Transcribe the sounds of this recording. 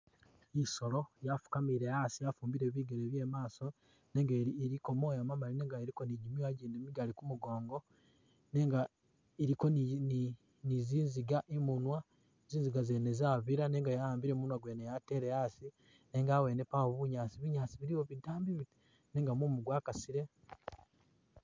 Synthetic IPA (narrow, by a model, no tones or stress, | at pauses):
iso̞lo̞jafu̥kamiɾe̞jasijafuːmbiɾeːβiːɡeleβje̞ːmaːso̞ | ne̞ːŋɡaɾiko̞mo̞ːjamamaline̞ːŋɡaeɾiko̞niɟimiwaɟiːndemiɡalikumuɡo̞ːŋɡo̞ | ne̞ːŋɡa | eɾiko̞nn | niziːnziɡaʔimunwa | eziːnziɡazeːnezaːβiɾane̞ːŋɡajaaːmbiɾe̞munwaɡwe̞ːnejate̞ɾeasi | ne̞ːŋɡaːwe̞ːnepawoβuɲaːt͡siβuɲaːt͡siβiɾiwoβidaːmbiβ | ne̞ːŋɡamumuɡwaːkasiɾe̞